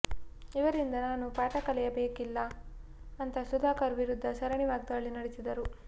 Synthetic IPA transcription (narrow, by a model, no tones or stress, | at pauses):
iʋɐɾind̪ɐnaːnupaːʈɐkɐlɛjɐbeːkilːɐː | nt̪ɐsud̪ʱaːkɐɾʋiɾud̪ʱːɐʃɐɾɐɳiʋaːɡid̪aɭːinɐɽesid̪ɐɾu